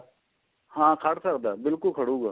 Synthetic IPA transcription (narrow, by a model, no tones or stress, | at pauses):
hãːkʰɐɽsɐkd̪aːbɪlkʊlkʰɐɽ̤ũːɡaː